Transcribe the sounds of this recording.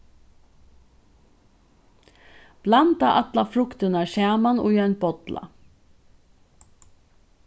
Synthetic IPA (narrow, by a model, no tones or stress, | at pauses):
b̥lɑnt̪ɑʔɑt̪lɑfɾʊkt̪ənɑʃæːmɑnujɑnbɔt̪lɑ̰